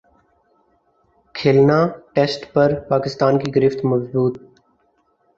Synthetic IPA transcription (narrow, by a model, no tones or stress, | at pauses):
kʰeːlnaːʈeːsʈpəɾpaːkɪst̪aːnkiːɡəɾɪft̪məzbuːt̪̚